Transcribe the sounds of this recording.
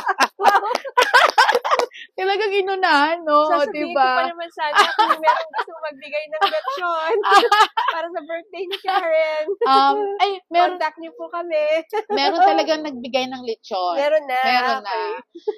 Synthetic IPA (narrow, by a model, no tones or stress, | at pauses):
k̪ɐlɐɡaŋɪnʊnahɐnːosod̪ɪbapɐnɐmɐnsaːdnɐmɛːɾoŋɡɐst̪oŋmɐɡ̚bɪɡajnɐŋlɛt͡ʃonpaːɾɐsɐbɛɹt̪̚d̪ejnɪkaɹɛnʔɐmʔɐjmɛːɾot̪ɐk̚ɲopʊkɐmɛmɛːɾot̪ɐlɐɡaŋnɐɡ̚bɪɡajnɐŋlɛtt͡ʃonmɛːɾonːamɛːɾonːɐ